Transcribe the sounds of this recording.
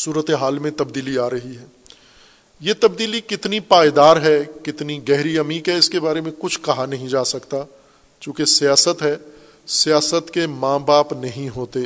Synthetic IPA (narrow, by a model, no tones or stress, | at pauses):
suːɾət̪eɦaːlmẽt̪ɐbd̪iːliaːɾɐɦiɦɛː | jet̪ɐbd̪iːlikɪt̪nipaːjd̪aːɾɦɛkɪt̪niɡɛɦɾiɐmiːkɦɛɪskebaːɾemẽkʊt͡ʃʰkɐɦanɐɦĩd͡ʒaːsɐkt̪a | t͡ʃjõːkesijaːsət̪ɦɛː | sijaːsət̪kemãːbaːpnɐɦĩɦoːt̪eː